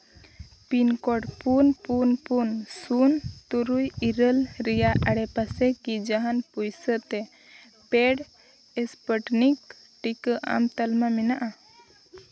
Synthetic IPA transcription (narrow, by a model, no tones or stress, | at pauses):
pinkɔɽpunpunpunsunt̪uɾujiɾəlɾɛjaʔaɽɛpasɛkid͡ʒaɦanpujsət̪ɛ | pɛɽ | ɛspəʈnik | ʈikəʔa̰mt̪əlmamɛnaʔa